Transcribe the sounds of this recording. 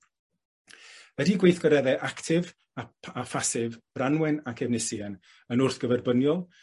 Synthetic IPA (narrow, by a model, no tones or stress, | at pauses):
ədiːɡwejθɡɔɾɛðɛʔaktʰɪv | aafasɪvb̥ranwɛnakʰɛvnɪsiɛn | ənʊrθɡ̥əvɛrbənjɔlˠ